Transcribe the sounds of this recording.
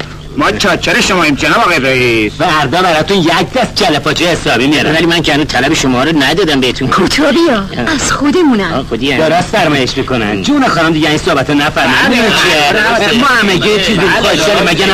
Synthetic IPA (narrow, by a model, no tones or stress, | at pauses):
mɒːɒːt͡ʃʰeɾeʃomɒimd͡ʒenɒːbɒɣedɾɔivæɾd̪ɒːbæɾɒːt̪unjæc̚ʰd̪æsd͡ʒʰælepʰɒt͡ʃʰeesɒːbimijɒɾænvælimæncʰeænuzt̪ʰælæbeʃomɒːɾonæd̪ɒːd̪æmbeet̪ʰunkʰot̪ʰɒbijɒæz̥xod̪emũnæxod̪iæd̪oɾasfæɾmɒːjeʃmikonæ̰nd͡ʒunɑxɒːɾɔmd̪iɟeæninsohbæt̪ʰɔnæfæɾmidiint͡ʃʰiemɒːhæmeɟet͡ʃʰizipʰɒd̪ɛɾimæɟæn